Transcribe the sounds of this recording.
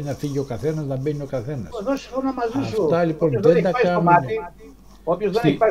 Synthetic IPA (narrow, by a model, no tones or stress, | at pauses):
inɐfiʝio̞kɐθe̞nɐznɐbenio̞kɐθe̞nɐseðosi̥fonomɐzðisot̪ɐlipo̞nðend̪ɐkɐnun | opçozði